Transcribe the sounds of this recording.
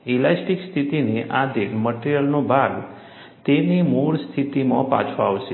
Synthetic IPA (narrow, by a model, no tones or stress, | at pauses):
elasʈikst̪ʰit̪ineʔad̪eməʈeɾijəlnobʱaɡ | t̪enimuɭst̪ʰit̪imãpa̰t͡ʃʰõaʋʃe